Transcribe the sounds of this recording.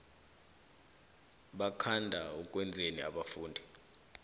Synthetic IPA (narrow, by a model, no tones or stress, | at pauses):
ɓakʰandʱaɔkʼwɛnd͡zʱeniaɓafuːndʱi